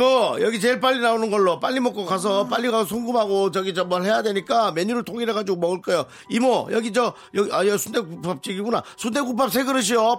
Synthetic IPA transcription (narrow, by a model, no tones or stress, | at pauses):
mʌjʌɡit͡ɕe̞ɭp̬͈aʎːinaonɯnɡʌɭːop͈aʎːimʌk͈okas̬ʰʌp͈aʎːiɡaosʰoŋɡumɦaɡot͡ɕʌɡit͡ɕʌmʌɭɦe̞jadwe̞ɲik͈ame̞ɲuɾɯɭtʰoŋiɾeɡad͡ʑiɡomʌɡɯɭk͈ajo | imʌjʌɡit͡ɕʌ | jʌɡiajʌsʰunde̞kup͈ap̚t͡ɕ͈iɡiɡuna̰sʰunde̞kup̬͈ap̚sʰe̞ɡɯɾɯɕ̬ʰio